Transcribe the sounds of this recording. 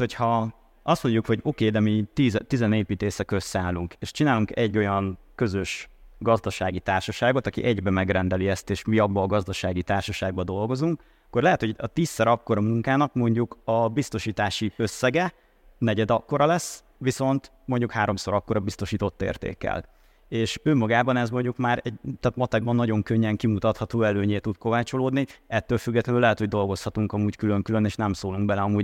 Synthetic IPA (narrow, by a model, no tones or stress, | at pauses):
hochɒ | ɒst̪mo̞ɲɟukho̞ɟokeːd̪ɛmit̪iːzt̪izɛneːpiːt̪eːsɛkøsaːluŋkeːʃt͡ʃinaːluŋkɛɟːo̞jɒn | kø̞zø̞ʃɡɒzd̪ɒʃaːɡit̪aːrʃɒʃaːɡo̞t̪ɒkḭʔɛɟbɛmɛɡrɛnd̪ɛliɛst̪eːʃmiɒbːɒɡɒzd̪ɒʃaːɡit̪aːrʃɒʃaːɡ̚bɒd̪o̞lɡo̞zuŋk | ɒkːo̞rlɛɦɛt̪ho̞ɟɒt̪iːsːɛɾɒkːo̞ɾɒmuŋkaːnɒkmo̞ɲɟukɒbist̪o̞ʃiːt̪aːʃiøsːɛɡɛ | nɛɟɛd̪ɒkːo̞ɾɒlɛsː | viso̞nt̪ | mo̞ɲɟukhaːɾo̞mso̞ɾɒkːo̞ɾɒbist̪o̞ʃiːt̪o̞t̪ːḛːrt̪ḛːkːɛ̰l | eːʃøːmɒɡaːbɒnɛzmoɲɟukmaːɾɛɟt̪ɛt̪mɒt̪ɛɡ̚bɒnːɒɟo̞ŋkøɲːɛŋkimut̪ɒt̪hɒt̪oːɛløːɲeːt̪ut̪ko̞vaːt͡ʃo̞loːd̪niɛt̪ːøːlfyɡːɛt̪lɛnylɛɦɛt̪ho̞ɟd̪o̞lɡo̞shɒt̪uŋkɒmuːckyløŋkylø̞neːʃnɛmsoːluŋɡ̚bɛlɛɒmuːɟ